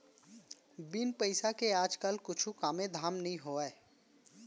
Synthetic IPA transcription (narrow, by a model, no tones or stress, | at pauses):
bɪnpəɪsakeaːd͡ʒkɐlkʊt͡ʃʰukaːmẽd̪ʱaːmnɐɦĩɦoːɛː